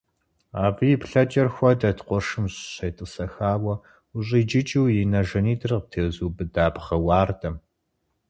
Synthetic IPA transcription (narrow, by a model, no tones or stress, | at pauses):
aːvipɬɐt͡ʃʼɐrxʷɔdɐtqʷɔʂɨmɕʼɕɐjtʼəsɐxaːwɐ | ʊɕʼiːd͡ʒɪt͡ʃʼiwjinɐʒɐniːdɨrp̚tʰeːzuːbɨdaːpχɐwɑːrdʰɐm